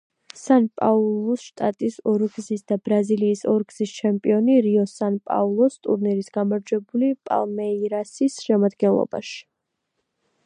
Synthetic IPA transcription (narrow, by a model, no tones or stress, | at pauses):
sanpʼaulˠɔsʃt̪ʼat̪ʼisɔɾɡzisd̪abɾaziliːsɔɾɡz̥ist͡ʃʰɛmpʼiɔniɾiɔsanpʼa̰ulˠɔst̪ʼuɾniɾisɡamaɾd͡ʒwɛbulipʼa̰lˠmɛiɾasisʃɛmad̪ɡɛnlˠɔ̰b̥a̰ʃi̥